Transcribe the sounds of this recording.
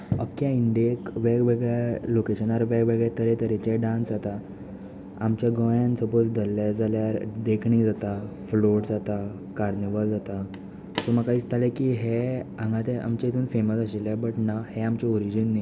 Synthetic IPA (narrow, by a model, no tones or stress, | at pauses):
ə̰kːjaiɳɖjekʋeɡʋeɡɭjalokeɕənaɾʋeɡʋeɡɭjet̪əɾet̪əɾet͡ɕeɖãnsd͡zat̪a | amt͡ɕjaɡə̃jãnsəpot͡sd̪əlːad͡zaljaɾd̪ekʰɳiːd͡zat̪a | floʈd͡zat̪a | kaɾnebəld͡zat̪a | t̪oməkaiːt͡st̪ʰalekiːɦeãŋɡat̪ɛʔa̰mt͡ɕait̪ʰuːnfeməsəɕilabəʈnaheamt͡ɕɛoɾid͡ʑənːi